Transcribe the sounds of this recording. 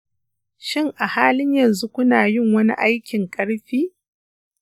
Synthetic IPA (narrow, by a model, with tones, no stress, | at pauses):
ʃɪ˦ŋʔa˨haː˦lɪ˦ɲjɐ˨nzu˦kʷʊ˦naː˨jɪ˦ŋwɐ˦nḭ˦ʔa˦jkʲɪ˨ŋkʼɐ˦ɽɸiː˦